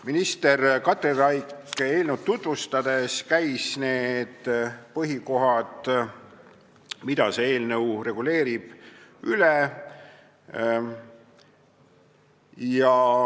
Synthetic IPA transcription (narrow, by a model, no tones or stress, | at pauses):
minist̪e̞rkɑt̪ːerɑjkːe̞ːlnewt̪̚t̪ːut̪vust̪ɑd̪̥e̞skæjsne̞ːd̪̥pɤɦiko̞ɦɑd̪̥ | mid̪̥ɑseeːlnəwre̞ɡ̥ule̞ːɾib̥yle | jɑ